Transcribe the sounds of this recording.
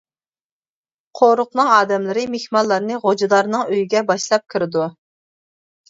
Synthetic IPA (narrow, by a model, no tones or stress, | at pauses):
qʰoɾʊq̚nɨŋɑːd̪ɛmlɨɾɨmehmɑlˠːɑɾnɨʁod͡ʒɑd̪ɑɾnɨŋøjiɡʲɛbɑʃlˠɑp̚kʲʰɨɾɪd̪u